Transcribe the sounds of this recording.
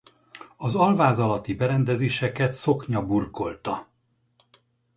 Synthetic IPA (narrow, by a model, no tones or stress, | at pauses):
ɒzɒlvaːzɒlɒt̪ibɛɾɛnd̪ɛzeːʃɛkɛt̪so̞kɲɒburko̞lt̪ɒ